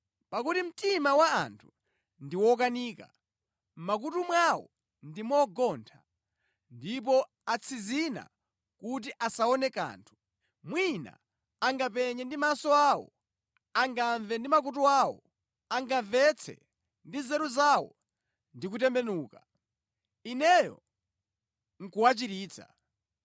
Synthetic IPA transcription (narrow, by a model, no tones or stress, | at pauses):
pakutim̩timawaa̰ntʰu̥ | ndiwɔk̬aniːka̰ | mak̬utumwawɔ̰ | ndimɔɡɔːntʰa | ndip̬ɔ | at͡sʰizina̰ | kut̬iʔasaɔnɛka̰ːntʰu̥ | mwina̰ː | ŋɡapɛɲɛndimasɔaːwɔ̰ | aŋɡaɱvɛndimak̬ut̬uawɔ̰ | aŋɡaɱvɛt͡sʰɛ̰ | ndizɛɾuzawɔ̰ | ndik̬utɛmbɛnuːka | inɛjɔ̰ | ŋ̩kuwat͡ʃiɾiːt͡sʰa̰